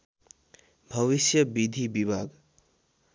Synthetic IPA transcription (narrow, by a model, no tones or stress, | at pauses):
bʱʌβisjʌbid̪ʱibibʱaɡ